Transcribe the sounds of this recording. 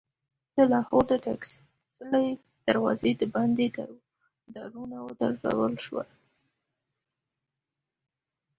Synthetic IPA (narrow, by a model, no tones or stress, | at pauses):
d̪̥əlɑhoɾd̪əʈaks | slaj | d̪̥aɾwɑ̰zed̪əband̪ed̪a | d̪aɾunawəd̪əɾla̰wəlʃwa̰